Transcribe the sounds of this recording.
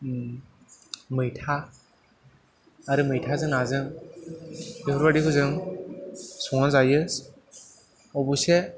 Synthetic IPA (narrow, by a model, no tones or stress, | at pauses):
mɯjtʰa | ɾɯmɯjtʰazɯŋazɯŋ | ipʰɔɾbadikʰɯzɯŋ | sɔŋazajɯs | ɔbuse